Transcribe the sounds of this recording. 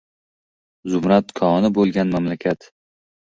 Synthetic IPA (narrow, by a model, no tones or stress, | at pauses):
zʊmɾat̪kʰɒnɪbolˠɡʲanmamlakʲʰat̪